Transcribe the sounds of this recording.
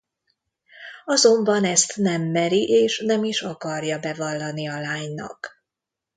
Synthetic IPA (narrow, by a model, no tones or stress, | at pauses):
ɒzo̞mbɒnɛst̪nɛmːɛɾiʔeːʃnɛmiʃɒkɒrjɒbɛvɒlːɒniɒlaːɲnɒ̰k